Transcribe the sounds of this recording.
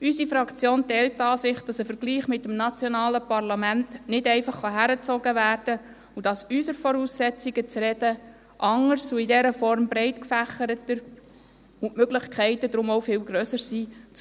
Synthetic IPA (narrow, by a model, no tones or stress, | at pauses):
ysifɾɑkt͡sjoːntɛltːɑːsɪχd̥ɑsəfəɾɡliːχmɪtːəmnɑt͡sjɔnɑːləpɑrlɑmæntnɪdɛɪfɑχːɑɦæɾət͡sɔɡəvæːrd̥ə | ud̥ɑsysəɾfɔɾuːsːɛt͡siɡət͡sɾɛd̥ə | ʔɑŋəɾsuɪdɛɾəfɔɾmbɾɛɪtkfæχəɾətəɾ | ʊʔmøɡlɪχkʰɛɪtədɾʊmowfɪlɡɾœsəɾsiːt͡s